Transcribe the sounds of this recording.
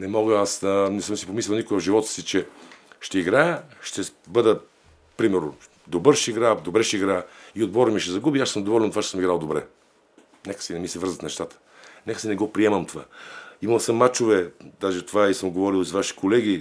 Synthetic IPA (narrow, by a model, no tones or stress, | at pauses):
nɛmɔɡəasənɛsəmsipomislʲɛlˠnikʊjəvʒivɔt̪ə̥sit͡ʃɛʃt̪ɛiɡɾajəʃt̪ɛbəd̪ə | pɾimɛɾno̰ | d̪obəɾʃɛiɡɾad̪obɾɛʃɛiɡɾajəiod̪̚bɔɾəmiʃɛzɐɡubiaʃsəmd̪ovɔlɛnt̪vat͡ʃɛsəmiɡɾalˠd̪obɾɛ̰ | nɛkə̥sinɛmislʲɛvəɾzət̪nɛʃt̪at̪ə̥ | nɛkə̥sinɛɡɔpɾiɛməmt̪ova̰iməlˠsəmːat͡ʃovɛd̪aʒɛt̪ovaisəmɡovɔɾilˠizvaʃi̥kʰolɛɡ̟i